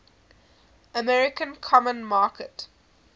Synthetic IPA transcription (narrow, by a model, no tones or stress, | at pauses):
əmɛɹɪkə̃nkʰɔmə̃nmaːkət